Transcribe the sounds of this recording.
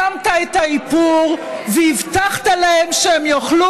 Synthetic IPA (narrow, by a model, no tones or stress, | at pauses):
amt̪aet̪haipuʁveivt̪aχt̪alahemʃeemjoχlu